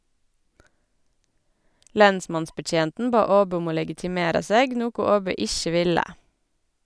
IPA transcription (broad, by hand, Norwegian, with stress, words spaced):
ˈlɛnsmɑnsbəˌc͡çeːntn̩ ˈbɑː ˈoːbœ ˈɔm ˈoː lɛɡɪtɪˈmeːɾɑ ˈseːɡ ˈnuːkʊ ˈoːbœ ˈɪçə ˈʋɪlə